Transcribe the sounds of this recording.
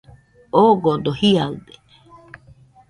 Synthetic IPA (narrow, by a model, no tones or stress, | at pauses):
oɡod̪ohiaɯd̪e